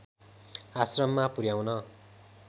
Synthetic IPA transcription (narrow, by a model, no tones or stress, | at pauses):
asrʌmːapuɾjawnʌ